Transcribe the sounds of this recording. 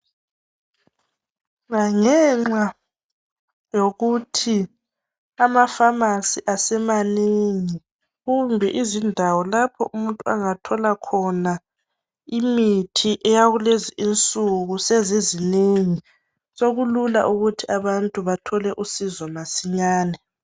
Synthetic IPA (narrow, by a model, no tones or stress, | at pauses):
ŋaŋɛŋ͡ǁa | joɣutʰi | amafamasiʔasɛmaneŋi | ɣumbʱɛʔizindʱawɔlapʰɔ̰ʔumuntʼua̰ŋatʰɔlakʰɔna | imitʰiʔɛjaɣuleziʔint͡sʼuɣusezezineŋi | soɣulula̰ʔuɣutʰiaβantʼuβatʰɔlɛʔusizɔmasiɲaːnɛ